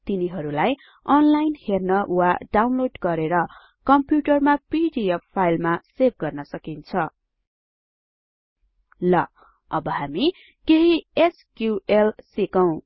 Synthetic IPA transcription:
t̪iniɦʌɾulaj | ʌnlajnhernʌwaɖawnloɖɡʌɾeɾʌ | kʌmpjuʈʌrmapiɖieppʰːajlmaseb̚ɡʌrnʌsʌkint͡sʰʌ | lʌ | ʌbʌɦami | keɦieskjuelsikʌw̃

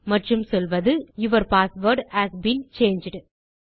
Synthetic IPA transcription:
mɐʈrɯmsɔlʋɐðɯɪʋɐɾpaːsʋɐɾɖhæːsbiːnt͡ʃeːnd͡ʒɖ

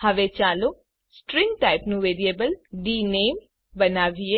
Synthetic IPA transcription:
hɐʋet͡ʃaːlo | sʈɾɪ̃ŋɡʈaːɪpnũʋeːɾieːbəlɖiːneːm | bɐnaːʋie

